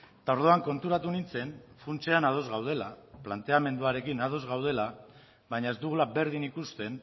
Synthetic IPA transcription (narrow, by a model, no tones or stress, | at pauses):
t̪ao̞ɾð̞o̞aŋko̞nt̪uɾat̪unint͡se̞nfunt͡se̞anað̞o̞zɣawð̞e̞laplant̪e̞ame̞nd̪uaɾe̞kinað̞o̞zɣawð̞e̞la | βajɲae̞zd̪uɣulabe̞ɾðinikust̪e̞n